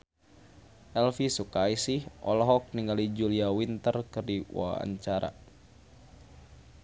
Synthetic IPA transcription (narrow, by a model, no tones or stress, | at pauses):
ʔɛlfisukaisihʔɔlɔɦɔk̚niŋɡalid͡ʒuliawint̪ərkɨrdiwa̰a̰ɲt͡ʃaɾa̰